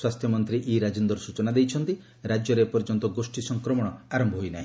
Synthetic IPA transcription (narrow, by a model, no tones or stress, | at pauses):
swast̪ʰjɔmɔnt̪ɾiʔiɾad͡ʒind̪ɔɾsut͡ʃɔnad̪ejt͡ʃʰɔnt̪i | ɾad͡ʒjɔɾepɔɾd͡ʒɔnt̪ɔɡosʈisɔŋkɾɔmɔɽ̃ɔaɾɔmbʱɔɦojnaɦĩ